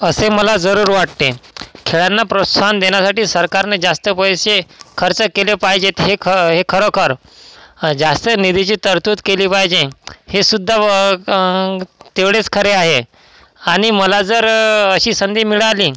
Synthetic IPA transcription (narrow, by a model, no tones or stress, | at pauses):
əseməlad͡zəɾuːɾʋaʈ̚t̪ekʰeɭanːapɾot̪sʰand̪eɳjasaʈiːsəɾkaɾned͡zast̪əpəjɕekʰəɾt͡səkelepaɦid͡ʑet̪ɦeɦekʰəɾəkʰəɾ | d͡zast̪ənid̪ʱit͡ɕiːt̪əɾt̪uːt̪keliːpajd͡ʑehesud̪ʱːa | t̪eʋɽet͡skʰəɾeaɦe | aɽ̃iməlad͡zəɾəɕiːsənd̪iːmiɭaliː